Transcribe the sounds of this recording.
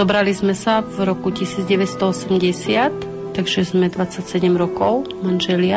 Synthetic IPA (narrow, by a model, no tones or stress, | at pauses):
ɔbɾalizmɛsavɾɔkucisiːd͡zɟɛʋɛt̪st̪ɔɔsɛmɟɛsɪat̪ː | aɡʒɛzmɛd̪ʋat͡sːacsɛɟɛmɾɔkɔʊmanʒɛlɪa